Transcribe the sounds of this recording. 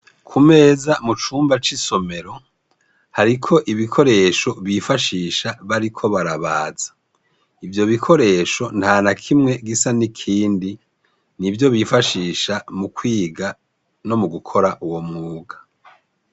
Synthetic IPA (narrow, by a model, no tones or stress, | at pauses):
kʰume̞ːzamut͡ʃuːmbat͡ʃiso̞me̞ɾo̞ | haɾikʰo̞ʔiβikʰo̞ɾe̞ːʃo̞βifaʃiːʃaβaɾikʰo̞βaɾaβaːz̥ḁ | ivjo̞βikʰo̞ɾe̞ːʃo̞n̥haːnakʰimŋe̞ɡisanikʰiːndi | nivjo̞βifaʃiːʃamukwiːɡa | no̞muɡukʰo̞ɾaʔuwo̞mŋuːɡḁ